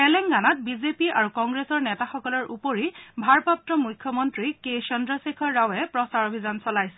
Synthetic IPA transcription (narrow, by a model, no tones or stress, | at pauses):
ɛlɛŋɡanat̚bizepiʔaɹukɔŋɡɹesɔɹnɛtaxɔkɔlɔɹʔupoɹibʱaɹpap̚tɔmujkʰːjɔmɔntɹiket͡ʃɔndɹɔsekʰɔːawɛpɹɔsaɹobʱizansɔlajsɛ